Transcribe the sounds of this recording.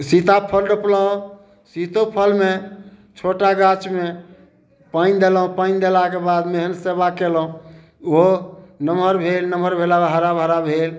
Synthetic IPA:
sit̪apʰəlɖəpləɦõ | sit̪opʰəlmet͡ʃʰoʈaɡat͡ʃme | paind̪elɦõpaind̪elakebad̪meɦənsebakelũ | oonəməɾbʱelnəməɾbʱelabɦəɾabʱəɾabʱel

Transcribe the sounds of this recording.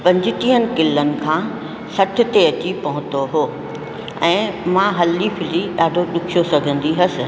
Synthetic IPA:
pɐ̃ɲd͡ʑɪt̪ĩɦənɪ̆kɪlːənɪ̆kʰãː | sɐʈʰɪ̆t̪eɐt͡ɕipɐɦʊ̃t̪oɦoː | ɛ̃ːmãːɦɐlːifʰɪliɗaːɖʱoɗʊkʰijosɐɡʱə̃nd̪iɦɐsɪ̆

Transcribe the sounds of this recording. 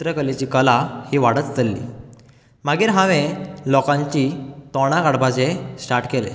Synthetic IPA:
ɾəkəlet͡ɕiːkəlahiːʋaɽət͡st̪əlːḭː | maɡiːɾɦãʋẽlɔkãɲt͡ɕit̪ɔɽ̃aɡaɽbat͡ɕesʈaɾʈkelḛ

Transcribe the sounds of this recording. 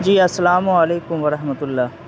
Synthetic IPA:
d͡ʒiːɐsːɐlaːmuɐleːkʊmʋɐɾɐɦmət̪ʊlːaː

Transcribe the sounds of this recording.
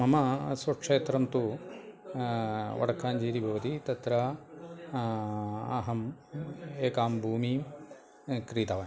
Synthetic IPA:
mɐmɐsɐʈʂeːt̪ɾɐmt̪u | ʋɐ̰ɽɐkʰaːnd͡ʒiːɾibʱɐʋɐt̪it̪ɐt̪ɾɐ | ɐ̰ɦɐm | eːkaːmbʱuːmi | kɾiːt̪ɐʋɐ

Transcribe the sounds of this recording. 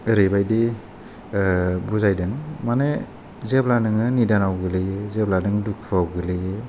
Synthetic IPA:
ɯɾɯbajdi | buzajdɯnmane | zeplanɯŋɯnidanawɡɯlɯjezeplanɯŋduk̚ʰpʰawɡɯlɯje

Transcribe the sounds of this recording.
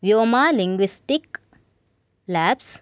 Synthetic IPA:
ʋjoːmaːliŋɡʋisʈik | læːps

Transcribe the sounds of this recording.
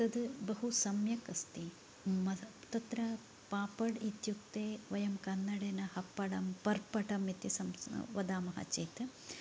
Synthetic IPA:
t̪ɐd̪bɐɦusɐmjɐkɐst̪i | mɐt̪ɐt̪ɾɐ | paːpɐɽit̪jukt̪eːʋɐjɐmkɐnːɐɽeːnɐhɐpːɐɽɐmpɐɾpɐʈɐmit̪isɐmʋɐd̪aːmɐɦɐ̰t͡ʃeːt̪

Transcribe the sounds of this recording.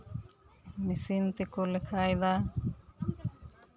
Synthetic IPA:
misint̪ikulekʰajd̪a

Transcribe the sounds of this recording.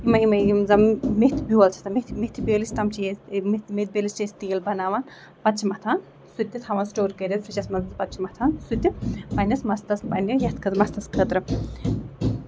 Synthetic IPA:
imɐimɐimzɐmmiht̪ʰbuwɐlt͡ʃʰɐ̥t̪ɐmit̪ʰmit̪ʰibeːlisʲt̪ɐmt͡ʃʰijemit̪met̪̚beːlist͡ʃɐsʲt̪ijɐlbʱɐnaːʋan | pɐt̪t͡ʃʰimɐt̪ʰaːn | sut̪ʲːit̪ʰɐʋɐnsʈoːɾkɐɾʲet̪fɾit͡ʃɐsmɐnzɐzpɐt̪t͡ʃʰimɐt̪ʰaːnsut̪ʲːipɐnʲɐsmɐst̪ɐspɐnijɐht̪kʰɨmɐst̪ɐskʰət̪ɾɨ

